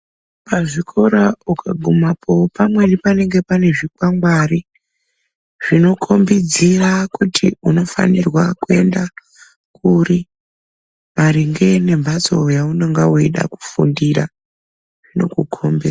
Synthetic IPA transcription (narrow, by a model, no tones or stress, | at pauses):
paʐikʰoɾaukʰaɡʱumapʰopamwe̞nipane̞ŋɡe̞pane̞ʐikwaŋɡwari | ʐ̥ino̞kʰo̞mbid͡zirakutʰiuno̞fa̰nirwakue̞nda | kuɾi | maɾiŋɡe̞ne̞mbʱat͡so̞jauno̞ŋɡawoiɗa̰ku̥fundira̰ | ʐ̥ino̞̰kukʰombi